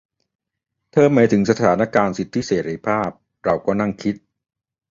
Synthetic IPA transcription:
t̪ʰɤː˥˩mːaː˩˦jt̪ʰɯ˩˦ŋsa˧t̪ʰaː˩˦na˦˥kaː˧nsi˨˩t̪ʰːi˦˥seː˩˦ɾi˧pʰaː˥˩p̚ | ɾa˧wkɔː˥˩na˥˩ŋkʰi˦˥t̪̚

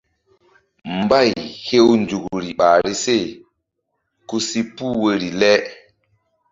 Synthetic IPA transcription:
mba˦˨jhe˦wnd͡ʒu˨kɾi˨ɓaː˨ɾi˦se˦˨ | ku˦si˦pu˦we˨ɾi˨lɛ˦

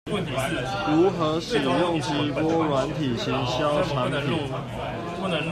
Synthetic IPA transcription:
ɻu˨˥xɤ˧˥ʂ̩˨˩jo˥˩ŋt͡ɕi˥kwɔ˥ɻwa˧˥nt̪ʰi˨˩ɕʰi˧˥ŋɕjɑ˦˥ʊʈ͡ʂʰa˨˦˥ŋt̪ʰi˨˩˦

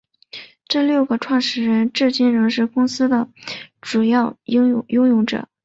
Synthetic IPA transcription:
ʈ͡ʂɤ˥˧ljo˥˩ʊɡə˩ʈ͡ʂʰwɑ˥˩ŋʂɻ̩˨˩ɻə˧˥nʈ͡ʂɻ̩˥˧t͡ɕi˥˩nɻɤ˧˥ŋʂɻ̩˥˩kʊ˥ŋsɹ̩˥d̪ə˨ʈ͡ʂu˨˩jɑ˥˩ʊ˥˧˥jʊ˥ŋjʊ˧˥ŋʈ͡ʂɤ̰˨˩˦

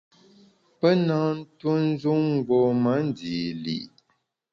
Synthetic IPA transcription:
pə˦naː˦n̩˦tu˦n̩˦zu˦ŋ̩˦ɡɔ˦mə˨˦n˨di˨lḭ˨ʔ

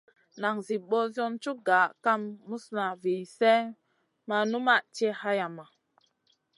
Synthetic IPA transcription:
na˨ŋzi˨ɓo˦zɔ˦nt͡ʃu˦ɡa˨ka˦mːu˦sna˨vi˨se˦ | ma˨nu˦ma˦te˦ha˦ja˨ma˨

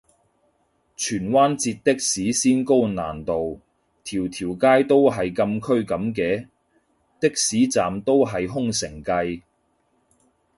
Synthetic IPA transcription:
t͡ʃʰyː˨˩nwaː˥nt͡siː˧t̚t̪ɪ˥k̚siː˨˥siː˥nko˥wna̰ː˨˩nt̪o˨w | t̪ʰiː˨˩wt̪ʰiː˨˩wkaː˥jt̪o˥wɦɐ˨jkɐ˧mkʰɵ˥ɥkɐ˨˥mkɛː˧ | t̪ɪ˥k̚siː˨˥t͡saː˨mt̪o˥wɦɐ˨jɦʊ˥ŋsɪ˨˩ŋkɐ˧j

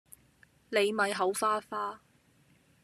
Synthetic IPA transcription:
le˨˧jmɐ˨˧jɦɐ˨˥wfaː˥faː˥

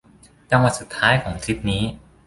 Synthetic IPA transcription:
t͡ɕa˧ŋwa˨t̪̚su˨˩t̪ʰːaː˦˥jkʰɔː˩˦ŋt͡ɕʰi˦˥p̪̚niː˦˥

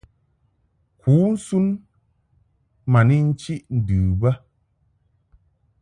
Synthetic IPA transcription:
kʰu˨˦n̩˦su˦n | ma˨ni˦n̩˦t͡ʃi˦ʔn̩˨dʉː˨bə˦

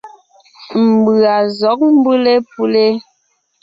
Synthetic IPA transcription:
m̩˨bɰa˨zɔ˨˦k̚m̩˦bʉ˦le˦pu˦le˦

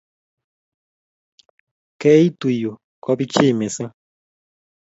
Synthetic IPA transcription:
kɛ˦i˦t̪u˨i˨jo˨ | kʰɔ˦bi˦t͡ʃe˦˨mẽ˨sɛ̃˦

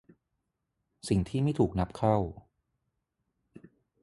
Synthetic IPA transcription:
si˨˩ŋt̪ʰiː˥˩ma˥˩jt̪ʰuː˨˩k̚na˦˥p̚kʰa˥˩w

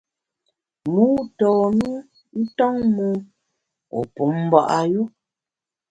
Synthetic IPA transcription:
mu˨˦tɔː˨mi˦ | n̩˦tɔ˦ŋmu˦ | o̰˨pu˨mm̩˦bwa̰˦˨ʔa˨ju˦

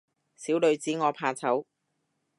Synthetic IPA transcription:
siː˨˥wlɵ˨˧ɥt͡siː˨˥ŋɔː˨˧pʰaː˧t͡sʰɐ˨˥w

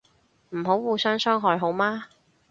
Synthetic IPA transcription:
m̩˨˩ɦo˨˥wwuː˨˧sœː˥ŋsœː˥ŋɦɔː˧jɦo˨˥wmaː˥

